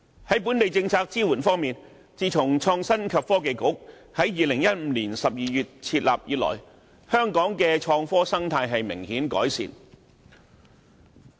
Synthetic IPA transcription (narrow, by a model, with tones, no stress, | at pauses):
hɐ˨˥jp̬uː˨˥nt̪e˨jt͡sɪ˧ŋt͡sʰaː˧k̚t͡siː˥wuː˨˩nfɔː˥ŋmiː˨n | t͡siː˨˧t͡sʰʊ˨˩ŋt͡ʃʰɔː˧ŋsɐ˥nkʰɐ˨pfɔː˥k̬e˨jkʊ˨˥ | hɐ˨˥jjiː˨˧lɪ˨˩ŋjɐ˥t̚m̩ː˨˥liː˨˩nsɐ˨p̚jiː˨jyː˨t̚t͡sʰiː˧t̚la̰ː˨p̚jḭː˧t̚lɔ̰ː˨˩j | hœː˥ŋkɔː˨˥ŋkɛː˧t͡ʃʰɔː˧ŋfɔː˥sɐ˥ŋt̪ʰaː˧jɦɐ˨jmɪ˨˩ŋhiː˨˥nkɔ̰ː˨˥jsḭː˨˧n